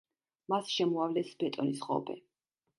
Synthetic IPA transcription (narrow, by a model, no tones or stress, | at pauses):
masʃɛmɔavlɛsbɛt̪ʼɔnisχɔ̰bʰɛ̰